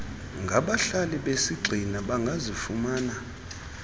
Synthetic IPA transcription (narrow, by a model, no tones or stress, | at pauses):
ŋɡʱaɓaɬaliɓesiɡ͡ǀʱinaɓaŋɡʱazifumaːna